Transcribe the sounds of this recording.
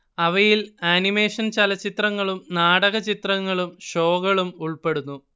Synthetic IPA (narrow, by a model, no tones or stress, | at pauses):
ɐʋɐjilaːnime̞ːʂɐnt͡ɕɐlɐt͡ɕːit̪rɐŋːɐɭumnaːɽɐɣɐt͡ɕit̪rɐŋːɐɭumɕo̞ːɣɐɭumuɭpe̞ɽunːu